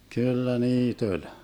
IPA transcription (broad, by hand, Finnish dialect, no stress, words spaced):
kylːæ niːt olʲ